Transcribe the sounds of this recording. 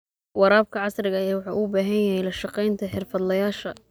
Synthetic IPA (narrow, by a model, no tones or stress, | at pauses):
wɑɾaːb̚kʰɐʕɑsrɪɣɐɛːwɑħɑʔuːbaːɦɐnjɐɦɛjlɐʃɑqɛjnt̪ʰɐħɪrfɐd̪lɐjaːʃɐ